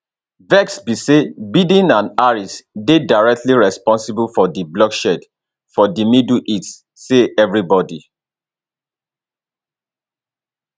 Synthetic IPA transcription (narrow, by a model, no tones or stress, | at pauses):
vɛksbisebidĩnãnaɹisdedaɹɛk̚tliɹɛspɔ̃nsibulfɔdiblɔkʃɛd | fɔdimiduʔitː | eʔɛvɹibɔdi